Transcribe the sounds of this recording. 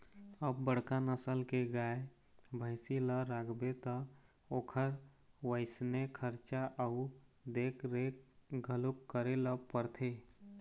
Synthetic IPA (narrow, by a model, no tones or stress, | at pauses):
əbːəɽkanəsəlkeɡaːe | bʱəɪsiləɾakʰbet̪ə | oːkʰəɾ | ʋəɪsnekʰəɾt͡ʃaʔəʊd̪eːkʰɾeːk̚ɡʱəlukːəɾeləpəɾt̪ʰe